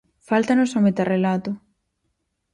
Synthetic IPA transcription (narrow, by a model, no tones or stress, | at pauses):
falt̪anosomet̪arelat̪ʊ